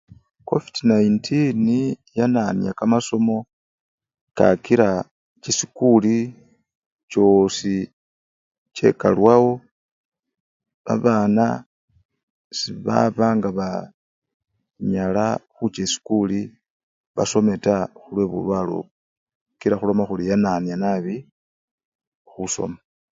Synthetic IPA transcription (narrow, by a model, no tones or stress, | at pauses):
ko̞fidnaintʰinijananjakamaso̞mo̞ | ka̰kiɾa | t͡ʃisikuli | t͡ʃo̞si | t͡ʃe̞̰ka̰lwawo̞ | βa̰βaːna | siβa̰βaːŋɡaβa | ɲalaxut͡ʃesi̥kuli | βa̰so̞me̞taxulwe̞βṵlwalo̰ | kiɾaxulo̞maxulijananjanaβi | xuso̞̰ma